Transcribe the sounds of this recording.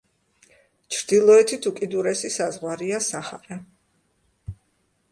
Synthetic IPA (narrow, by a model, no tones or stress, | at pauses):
t͡ʃʰɾd̪̥ilˠɔɛt̪ʰit̪ʰukʼid̪uɾɛsisazʁwaɾiasaχaɾa